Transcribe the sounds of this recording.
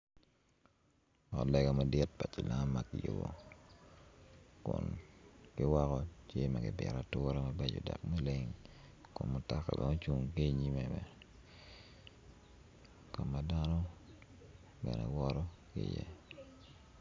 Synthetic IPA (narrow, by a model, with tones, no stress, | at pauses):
ɔ˨lɛ˨ɡa˨ma˨dɪ˦t̚pa˨t͡ʃi˨la˦mːa˨kɪ˨jʊ˨bo˨ | kʊ˨nkɪ˦wa˦kɔ˦t͡ʃe˦ma˨ɡɪ˨bjɛ˨ɾatʊɾa˦mabe˨d͡ʒɔ̰˨da̰˨kma˦le˦ŋ | kʊ˨nmʊ˨ta˦ka̰˨bɛ˦ŋo˦t͡ʃu˨ŋke˦˨ɲi˦mɛ˨mɛ˨ | kɔ˨mːa˨da˦nɔ˦ | bɛ˨nɛ˨wɔɾɔ˦kɪ̰jɛ˦